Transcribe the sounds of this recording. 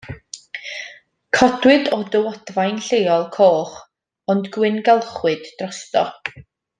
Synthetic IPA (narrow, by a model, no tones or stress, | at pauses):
kʰɔdwɨdɔdəwɔd̥vajnɬejɔlˠkʰoːχ | ɔndɡwɪnɡɛlˠχwɨd̥ːrɔstɔ̰